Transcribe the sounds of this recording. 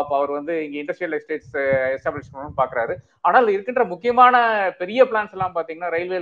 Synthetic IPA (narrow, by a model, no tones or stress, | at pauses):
pːoɐʋɐɾɯʋɐnd̪ɯɪŋɡɐɪɳɖɐsʈɾijɐlɛsʈeːʈsɛsʈaːblɪt͡ʃkɐnpaːɾkɪɾaːɾɯ | aːnaːɪlɪɾɯkːɪɳdrɐmʊkːɪjɐmaːnɐpɛɾɪjɐpɪɭaːnsɛlːãːmpaːɾt̪iːŋɡɐnːaːɾɐɪlʋeː